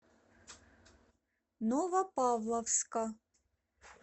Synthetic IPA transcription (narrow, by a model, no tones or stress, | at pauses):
novɐpɑvlˠɐfskɐ